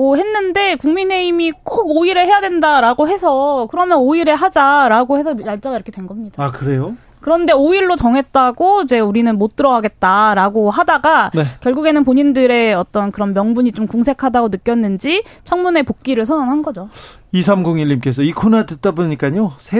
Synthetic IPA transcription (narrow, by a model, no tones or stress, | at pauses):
ʌɦe̞nːɯnde̞kuŋmine̞imikʰoɡoiɾeɦe̞jadwendaɾaɡoɦe̞sʰʌkɯɾʌmjʌnoiɾe̞ɦad͡ʑaɾaɡohe̞sʰʌjaɭt͡ɕ͈aɡaiɾʌkʰedwe̞nɡʌmɲid̥aakɯɾe̞jo | kɯɾʌnde̞oiɭːot͡ɕʌŋɦe̞t̚t͈aɡoid͡ʑe̞uɾinɯnmot̚t͈ɯɾʌwaɡe̞t̚t͈aɾaɡoɦadaɡanekjʌɭɡuɡe̞nɯnpoɲindɯɾe̞ʌt͈ʌnkɯɾʌnmjʌŋbuɲit͡ɕomkuŋsʰe̞kʰadaɡonɯk͈jʌnːɯnd͡ʑi | t͡ɕʰʌŋmune̞pok̚k͈iɾɯɭsʰʌnaŋɦanɡʌd͡ʑo | isʰamɡoŋiʎːimk͈e̞s̬ʰʌikʰonadɯt̚t͈aboɲik͈aɲosʰe